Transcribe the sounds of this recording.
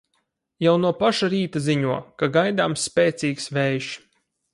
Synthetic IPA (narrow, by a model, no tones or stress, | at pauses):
jawnuɔpaʃaɾiːt̪aziɲuɔkaɡajd̪aːmsːpʲeːt̪siːksvɛːjʃ